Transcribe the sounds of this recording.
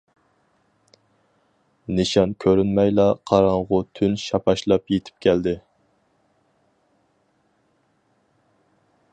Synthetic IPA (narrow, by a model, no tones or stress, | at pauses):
nɪʃɑnkʲʰøɾynmɛjlˠɑqʰɑɾɑŋʁʊt̪ʰynʃɑpʰɑʃlˠɑpjet̪ʰɪ̥p̚kʲʰɛld̪ɪ